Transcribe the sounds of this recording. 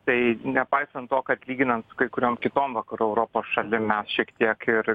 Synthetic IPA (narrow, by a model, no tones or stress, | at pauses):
t̪ɐɪnʲɛpɐɪsɐnt̪tːoːkɐt̪ʲlʲiːɡʲɪnɐnt̪sʊ̥kɐɪkʊɾʲoːmkʲɪt̪oːmʋɐkɐɾuɛʊɾoːpoːsʃɐlʲɪmmʲɛsʃʲiɛkt̪ʲiɛkɪɾ